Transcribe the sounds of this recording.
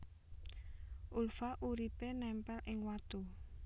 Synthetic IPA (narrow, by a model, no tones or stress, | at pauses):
ʔulfaʔuɾipenɛmpɛlʔɪŋwat̪u